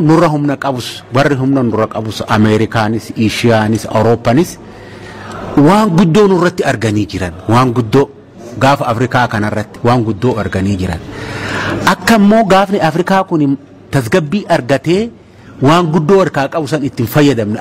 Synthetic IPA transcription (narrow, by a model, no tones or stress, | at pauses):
nʊrːɐɦʊmnɐkʼɐbʊswɐrːɪɦʊmnɐnʊrːɐkʼɐbʊsɐmɛɾɪkaːnɪsiːʃɪjaːnɪsɐ̰wɾoːpːɐnɪs | waːŋɡʊd̪ːo̞ːnʊrːɐt̪ːɪɐɾɡɐniːd͡ʒɪɾɐnwaːŋɡʊd̪ːoː | ɡaːfɐɐfɾɪkaːkɐnɐrːɐt̪ːɪ̥waːŋɡʊd̪ːoːɐɾɡɐniːd͡ʒɪɾɐ̰n | ʔɐkːɐmːo̞ːɡaːfnɪʔɐfɾɪkaːkʊnɪ | t̪ɐs̬ɡɐbːiːʔɐɾɡɐt̪e̞ː | waːŋɡʊd̪ːoːɐɾkaːkʼɐbʊsɐnɪt̪ːɪnfɐjːɐd̪ɐmnɛ